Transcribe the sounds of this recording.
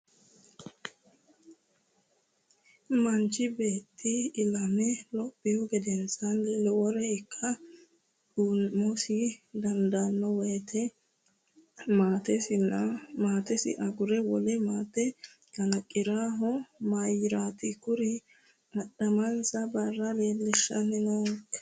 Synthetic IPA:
mɐnt͡ʃːɪbeːt̪ːɪɪlɐmɛlɔpːɪjʊɡɛd̪ɛnsɐnllɛwɔɾɛɪkːɐ | ᶑuːnmɔsɪd̪ɐnd̪anːɔweːt̪ʰɛ | maːt̪ɛsɪnːɐmaːt̪ɛsɪ̰ʔɐɡʊɾɛwɔlɛmaːt̪ːɛ | ɡɐlɐkʼːɪɾaːɦɔmajɪɾaːt̪ɪkʊɾɪ | ɐɗɐmɐnsɐbɐrːɐɾeːlɛʃːɐ̰nɛnɐ

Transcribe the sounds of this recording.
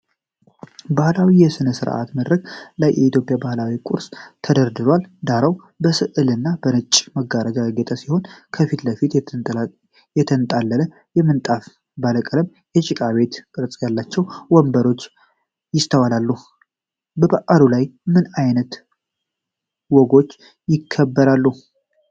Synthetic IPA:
bahlawijɛsɨnəsɨɾʔa̰t̪məd̪ɾəɡlajːɛit̪jo̞pʼjabahlawikʼṵɾst̪ʰəd̪əɾd̪ɨɾwald̪aɾəw | bəsɨʔɨlɨnːabənɨt͡ʃʼːməɡaɾəɡaɡɛt̪ʼəsiho̞nkʰəfit̪ləfit̪ | jɛt̪ʰənt̪ʼalːələ | jɛmːɨnt̪ʼaf | bələkʼələm | jɛt͡ʃʼɪkʼaβe̞t̪kʼɨɾt͡sʼjalːat͡ʃːɛwwɔmbəɾo̞t͡ʃː | jɪst̪ʰəwalalːu | bəbaʔʼaɾulajmɨnajnət̪ | wɔɡo̞t͡ʃː | jɪkʰːəbːəɾalːu

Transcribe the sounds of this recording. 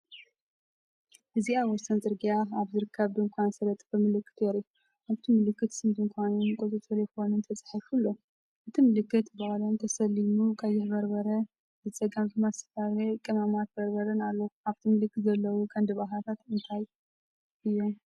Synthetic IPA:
ʔɨziaβwɔsɐnt͡sʼɨɾɡijaaβzɨɾɨkʰːɐβd̪ɨŋkʷʰansɐɾɐt̪ʼbɐmɨlɨkːɨ̥t̪jɛɾiu | ʔaβt̪ʰimɨlɨkːɨt̪sɨnzɨnkʷʰanɨnkʼot̪ʼɨt̪ʼʰɐɾɛxonɨnt̪ʰɐt͡sʼħifulːo̞ | ʔɨt̪ʰimɨlɨkːɨt̪bahlont̪ʰɐsɐlːimukʼajːɪbɐɾbɐɾɐ | zɨt͡sʼɐɡamkɨmasɨ̥faɾekʼɨmamat̪̚bɐɾbɐɾɐnalːoaβt̪ʰimɨlɨkːɨt̪zɐlːɐwukʰʼɐnd̪ɨβaɦat̪ʰat̪ɨnt̪ʰaj | ʔɨjːom

